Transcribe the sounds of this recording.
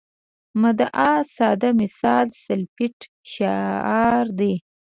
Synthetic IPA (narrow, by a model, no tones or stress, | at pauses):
mad̪aʔɑsɑd̪amɪsɑlsalpɪʈ | ʃaɑɾd̪e